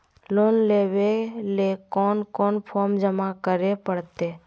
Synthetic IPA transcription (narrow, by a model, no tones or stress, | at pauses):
loːnleːʋelekɔːnkɔːnpʰɔːɾmd͡ʒəmakəɾepəɽt̪eː